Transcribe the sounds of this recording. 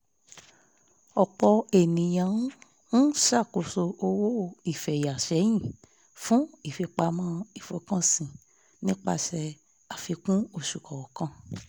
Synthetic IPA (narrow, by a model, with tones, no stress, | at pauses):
ɔ˨k͡pɔ˧e˨nĩ˨j̃ã˨˦ | n̩˦ʃa˦˨ko˨so˧o˧wo˦i˨fɛ˨ja˨ʃɛ˨˦j̃ĩ˦˨ | fũ˦i˦˨fi˧k͡pa˧mã˦i˦˨fo˧˦kã˦˨sĩ˨ | nĩ˦k͡pa̰˧ʃɛ˧ | a˨fi˧kũ˦o˦˨ʃu˨kɔ˨ɔ˨kã˧˦